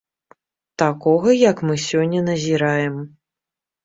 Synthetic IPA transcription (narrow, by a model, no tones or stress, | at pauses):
t̪akɔɣɐjɐkmɨsʲɔnʲːɐnɐzʲiɾajɛm